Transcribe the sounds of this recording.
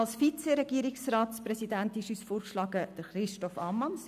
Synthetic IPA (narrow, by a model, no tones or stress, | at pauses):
ɑlsfit͡seɾɛɡ̥iəɾɪksraːtsprɛsidæntɪʃyːsfoːɾkʃlɑːɡəd̥əɾχɾɪʃtɔfɑmːɑns